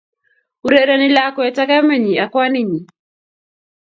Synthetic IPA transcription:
u˨ɾe˦ɾe˦ni˦la˦kɔ˦ɛ˨ta˦ka˦me˨ɲi˨a˨kwa˦ni˨ɲi˨

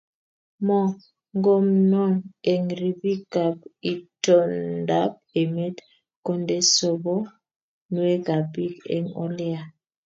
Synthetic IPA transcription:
mɔ˦˨ | ŋɡo˦mnɔ˦˨ne˨ŋɾi˨bi˦ka˨pi˨to˦nda˦p̚e˨me˦t | ko˦nde˦so˨bo˦ | nu˨˦e˦ɡa˨bi˦kḛ˨ŋo̰˦lɛ˦a˨

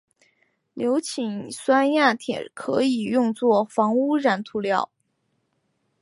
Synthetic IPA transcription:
ljo˧˥ʊt͡ɕʰi˨˩ŋswa˥nja˥˩t̪ʰjɛ̰˨˩nkʰɤ˧˥i˨˩jʊ˥˧ŋt͡swɔ˥˩fɑ˧˥ŋu˥ɻa˧˥nt̪ʰu˧˥ljɑ˥˩ʊ

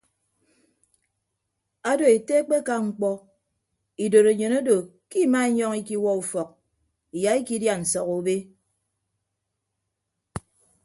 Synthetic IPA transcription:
a˦do˨e˨te˦k͡pe˦ka˦ŋ͡m̩˨k͡pɔ˦ | i˨do˨ɾe˨ɲe˨no˦do˨ | ki˦ma˦e˦ɲɔ˦ŋi˦ki˦wɔ˦u˨fɔ˨k̚ | i˨ja˨i˦ki˦dja˨n̩˨sɔ˨ɣo˨˦be˦

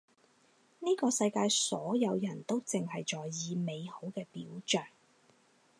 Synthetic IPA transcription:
niː˥kɔː˧sɐ˧jkaː˧jsɔː˨˥jɐ˨˧wjɐ˨˩nt̪o˥wt͡sɪ˨ŋhɐ˨jt͡ʃɔː˨jːiː˨˧me˨˧jho˨˥wkɛː˧pḭː˨˥wt͡ʃœː˨˩ŋ

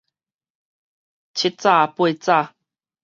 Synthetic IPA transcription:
t͡ɕʰi˦˥t̚t͡sa˥˧pwe˥˧t͡sa˥˧˨

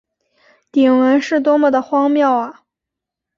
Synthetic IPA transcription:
t̪i˨˩ŋwə˧˥nʂɻ̩˥˩t̪̬wɔ˥mə˨˩d̪ə˩xwɑ˥ŋmjɑ˥˩ʊɐ˩

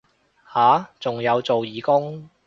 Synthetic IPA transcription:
haː˨˥t͡sʊ˨ŋjɐ˨˧wt͡so˨wjiː˨kʊ˥ŋ

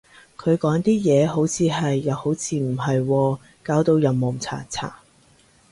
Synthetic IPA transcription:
kʰɵ˨˧ɥkɔː˨˥ŋt̪iː˥jɛː˨˧ɦo˨˥wt͡sʰiː˨˧ɦɐ˨jːɐ˨˧who˨˥wt͡sʰiː˧m̩˨˩ɦɐ˨jwɔː˧ | kaː˨˥wt̪o˧wjɐ˨˩wmːo˨˩ŋt͡sʰa̰ː˨˩t͡sʰa̰ː˨˩

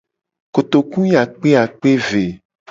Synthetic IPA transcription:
ko˨t̪o˨kũ˦ja˨k͡pe˦a˨k͡pe˦ve˨

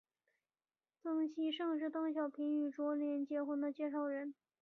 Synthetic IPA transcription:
tɤ˥ŋɕi˥˧ʂɤ˥˧ŋʂɻ̩˥˩t̪ɤ˥˩ŋɕjɑ˨˩ʊpʰi˧˥ŋy˨˩ʈ͡ʂwɔ˧˥ljɛ˧˥nt͡ɕjɛ˥xwə˧˥nd̪ə˧t͡ɕjɛ˥˧ʂɑ˥˩ʊɻə˧˥n

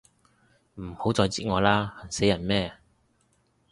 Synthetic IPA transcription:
m̩˨˩ho˨˥wt͡sɔː˧jt͡siː˥ŋɔː˨˧laː˥hɐ˨˩nse˨˥jɐ˨˩nmɛː˥˧

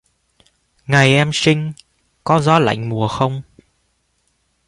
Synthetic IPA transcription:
ŋa˨˩jʔɛ˧msï˧ŋ̟ | kɔ˨˦zɔ˨˦la̰˧˨jŋ̟mu˨˩əxə˧wŋ͡m

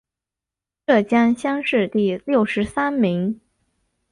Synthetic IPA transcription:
ʈ͡ʂɤ˥˩t͡ɕjɑ˥ŋɕjɑ˥ŋʂɻ̩˥˧t̪i˥˩ljo˥˩ʊʂɻ̩˧˥sa˥nmi˧˥ŋ

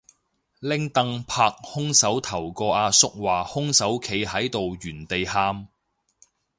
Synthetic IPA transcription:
lɪ˥ŋt̪ɐ˧ŋpʰaː˧˥k̚hʊ˥ŋsɐ˨˥wt̪ʰɐ˨˩wkɔː˧aː˧sʊ˥k̚waː˨hʊ˥ŋsɐ˨˥wkʰe˨˧jhɐ˨˥jt̪o˨wjyː˨˩nt̪e˨jhaː˧m

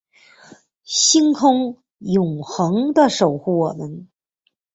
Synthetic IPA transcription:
ɕi˥ŋkʰʊ˥ŋ | jʊ˨˩ŋxɤ˧˥ŋd̪ə˧ʂo˨˩ʊxu˥˩wɔ˨˩mə˧˦n

